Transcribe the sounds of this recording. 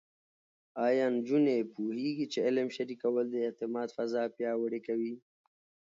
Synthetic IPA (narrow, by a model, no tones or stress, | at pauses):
ɑːjɑːnd͡ʒunepuhiɡit͡ʃeɪləmʃaɾikawəld̪əɪt̪ɪmɑːd̪fɐzɑpjɑːwəɽekawi